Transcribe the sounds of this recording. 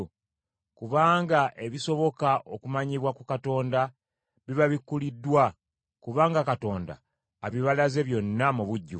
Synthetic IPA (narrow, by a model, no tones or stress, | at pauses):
kuβaːŋɡaʔe̞βiso̞βo̞kaʔokumaɲiβwakukato̞ːnda | βiβaβikːulidːwa | kuβaːŋɡakato̞ːnda̰ː | βiβalaze̞βjo̞nːamuβuɟːu